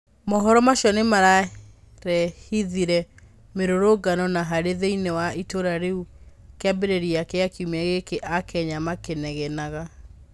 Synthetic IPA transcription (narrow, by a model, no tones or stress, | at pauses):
mɔɦɔɾɔmaʃjɔnemaɾa | ɾɛhiðiɾɛ | meɾoɾoɡanɔnaɦaɾeðeinewaitoɾaɾeukeabeɾeɾiakɛakiumaɣekeʔakɛɲamakenɛɣɛnaɣa